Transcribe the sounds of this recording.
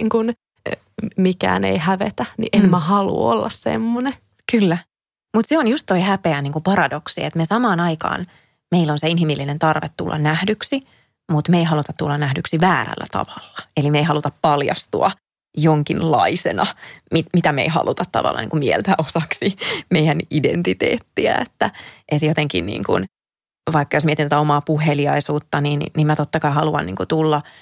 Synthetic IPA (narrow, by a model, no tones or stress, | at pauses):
ŋkun | mikæ̰ːneihæʋet̪ænḭʔenmæhɑlṵo̰lːɑssḛmːone | kylːæ | mut̪seonjust̪toihæpeæniːŋkupɑrɑdoksiḛt̪mesɑmɑːnɑikɑ̰ːn | meilːonseinhimilːinent̪ɑrʋet̪tṵlːʔɑ̰nnæhdyksi | mut̪meiɦɑlut̪ɑt̪tulːɑnæhdyksiʋæːɾæ̰lːæ̰t̪ɑ̰ʋɑlːɑ̥elimeiɦɑlut̪ɑppɑljɑ̰st̪ṵɑ̰ | joŋkinlɑisenɑmimit̪æmḛihɑ̰lʔut̪ɑt̪t̪ɑ̰ʋɑ̰lːɑ̰nḭŋkumiḛlt̪æosɑksimeijænidḛnt̪it̪ḛːt̪ːiæ̰et̪ːæʔet̪jot̪eŋkḭnnḭːŋkṵn | ʋɑikːɑjosmiet̪int̪æt̪æomɑːpuheliɑisuːt̪ːɑninniːmmæt̪ot̪ːɑkɑiɦɑluɑ̰nnḭːŋkut̪ulːɑ